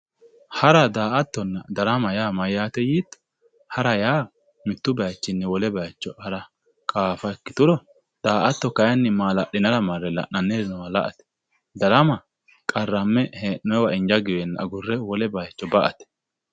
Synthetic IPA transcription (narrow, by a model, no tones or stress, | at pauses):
hɐɾɐd̪aːʔɐt̪ːɔnːɐd̪ɐɾɐmɐjaːmɐjːaːt̪ɛjiːt̪ː | hɐɾɐjaː | mɪt̪ːʊbɐjt͡ʃːɪnːɛwɔlɛbɐjt͡ʃːɔɐɾɐ | kʼaːfɐɛkːɪ̥t̪ʊɾɔ | d̪̥aːʔɐt̪ːɔkɐjɐnːɛmaːlɐɗɪnɐɾɐmɐɾːɛlɐ̰ʔnɐnːednɐwɐlɐ̰ʔɐt̪ɛ̥ | d̪ɐɾɐmɐ | kʼɐrːɐmːɛheːnːɔwɐɪnd͡ʒɐɡɪwɛnːɐ̰ɡʊrːɛwɔlɛbɐjt͡ʃːɔbɐʔɐt̪ɛ̥